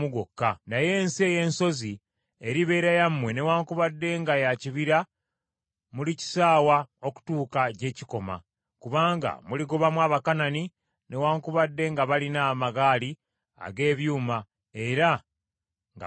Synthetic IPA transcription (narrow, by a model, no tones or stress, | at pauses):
uɡokːanaje̞ːnsie̞je̞ːnso̞zi | eɾiβe̞ːɾajamːwe̞ne̞waːŋkuβadːe̞ŋɡajaciβiɾa | mulici̥saːwao̞ku̥tuːkaɟe̞ːciko̞ma̰ | kuβaːŋɡa̰muliɡoβamwaːβakanani | ne̞waːŋkuβadːe̞ŋɡaβalinaːmaɡaːli | a̰ɡe̞ːβjuːma | e̞ɾa | ŋɡ